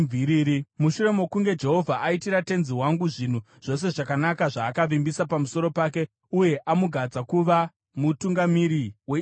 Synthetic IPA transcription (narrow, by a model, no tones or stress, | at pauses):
vʱiɾiɾimuʃuɾe̞mokuŋɡe̞d͡ʒe̞ɦo̞vʱaʔaitiɾate̞nziɦwaŋɡuʐin̤u | ʐ̥o̞s̬e̞ʐakanakaʐaːkaʋimbisapamuso̞ɾo̞paːke̞ | uje̞ʔamuɡʱad͡zakuʋa | mutuŋɡamiɾiwe